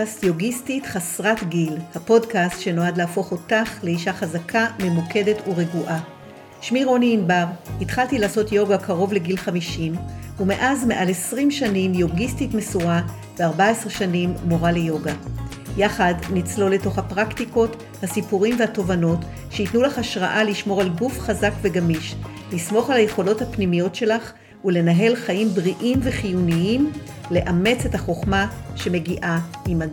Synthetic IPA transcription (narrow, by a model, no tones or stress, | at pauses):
astjoɡistitχasʁatɡilhapo̞dkastʃe̞no̞adleafo̞χo̞taχle̞iʃaχazakʰame̞muke̞de̞tuʁeɡuʔa | ʃmiʁo̞niːnbaʁhitχaltilaːso̞tjo̞ɡakʰaʁo̞vle̞ɡilχamiʃimume̞ʔazme̞ʔalesʁimʃanimjoɡistitmesuʁa | veaʁbaesʁeʃanimːoʁale̞jo̞ɡa | jaχadnit͡slo̞le̞to̞χhapʁaktiko̞t | hasipuʁimvehato̞vano̞t | ʃeitnulaχaʃʁaʔaliʃmo̞ʁalɡufχazakve̞ɡamiʃ | lismo̞χalhaje̞χo̞lo̞thapnimijo̞tʃe̞laχ | ule̞naɦe̞lχajimbʁiʔimve̞χijuniim | le̞ʔame̞t͡se̞taχo̞χmaʃe̞me̞ɡiʔaima